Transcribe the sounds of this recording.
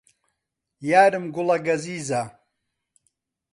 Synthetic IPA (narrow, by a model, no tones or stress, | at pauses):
jaːɾɨmɡʊlɐɡɐziːza